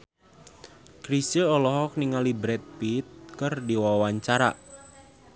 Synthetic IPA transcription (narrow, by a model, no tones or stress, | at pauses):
kɾisəɔlɔɦɔk̚niŋalibɾɛt̪̚pit̪̚kɨrdiwawaɲt͡ʃaɾa̰